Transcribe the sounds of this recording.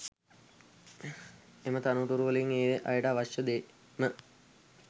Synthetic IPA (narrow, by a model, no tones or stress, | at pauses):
emət̪anuʈ̪uɾuʋəleiŋeːʋeʔajəɖaʋɐʃəd̪eː | mə